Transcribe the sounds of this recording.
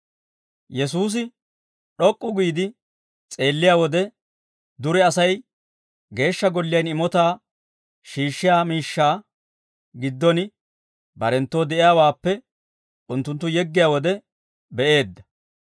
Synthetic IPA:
jɛs̬uːs̬ɪ | ɗɔkʼːʊɡiːd̪ɪ | t͡sʼe̞ːlːɪjaːwɔd̪ɛ | d̪ʊɾɛɐsɐj | ɡe̞ːʃːɐɡɔlːɪjɐnɪmɔt̪aː | ʃiːʃːɪjaːmiːʃːaː | ɡɪd̪ːɔn | bɐɾɛnt̪ːo̞ːd̪ɛʔɪjaːwaːpːɛ | ʔʊnt̪ːʊnt̪ːʊjɛɡːɪjaːwɔd̪ɛ | bɛʔe̞ːd̪ːɐ̥

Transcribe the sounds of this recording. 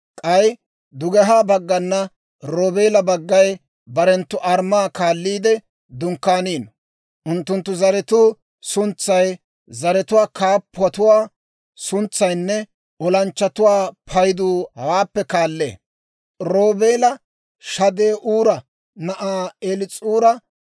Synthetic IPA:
kʼɐj | d̪ʊɡɛɦaːbɐɡːɐnːɐ | ɾoːbe̞ːlɐbɐɡːɐj | bɐɾɛnt̪ːʊʔɐɾmaːkaːlːiːd̪ɛ | d̪ʊŋkːaːniːn | ʔʊnt̪ːʊnt̪ːʊzɐɾɛt̪uː | sʊnt͡sːɐj | zɐɾɛt̪ʊwaːkaːpːʊwɐt̪ʊwaː | sʊnt͡sːɐjnːɛ | ɔlɐnt͡ʃːɐt̪ʊwaːpʰɐjd̪uːhaːpːɛkaːlːḛː | ɾoːbeːlɐ | ʃɐd̪eːʔuːɾɐ | nɐʔaːelɪt͡sʼuːɾɐ

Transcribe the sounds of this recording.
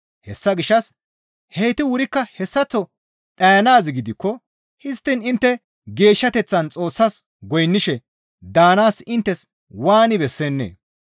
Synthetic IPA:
hɛsːɐɡɪʃːɐs | heːt̪ɪwʊɾɪkːɐhɛsːɐt͡sːɔ | ɗɐjɐnaːzɪɡɪd̪ɪkːɔ | hɪst̪ːɪnɪnt̪ːɛ | ɡe̞ːʃːɐt̪ɛt͡sːɐnt͡sʼo̞ːsːɐs | ɡɔjnːɪʃɛ | d̪aːnaːsɪnt̪ːɛs | waːnɪbɛsːeːnːḛː

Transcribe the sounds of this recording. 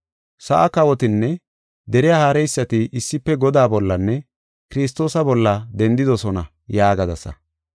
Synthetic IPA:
sɐʔɐkɐwɔt̪ɪnːɛ | d̪ɛɾɪjaːhaːɾɛjsːɐt̪ɪʔɪsːɪpːɛɡɔd̪aːbɔlːɐnːɛ | kɪɾɪs̬t̪o̞ːsɐbɔlːɐd̪ɛnd̪ɪd̪ɔsɔnɐ | jaːɡɐd̪ɐsɐ̰

